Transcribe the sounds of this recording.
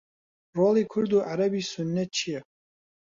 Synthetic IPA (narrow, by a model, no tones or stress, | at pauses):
rolikʷʰɨrd̪uʔaɾabisʊnːɛt̪̚t͡ʃʰija